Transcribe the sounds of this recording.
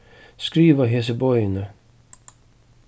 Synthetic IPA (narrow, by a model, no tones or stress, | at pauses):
skɾiːʋəɦesəbɔʏənə